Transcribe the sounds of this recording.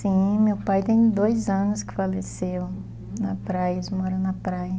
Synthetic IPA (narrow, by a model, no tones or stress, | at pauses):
sĩmewpajt̪ẽj̃d̪ojzɐ̃nʊskɪ̥falesew | nɐpɾajɐzmɔɾɐ̃nɐpɾajɐ